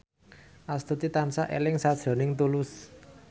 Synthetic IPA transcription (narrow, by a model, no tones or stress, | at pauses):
ʔast̪ut̪it̪ansaʔḛlɪŋsad̥ʒ̥ɾɔ̤nɪŋt̪ulʊs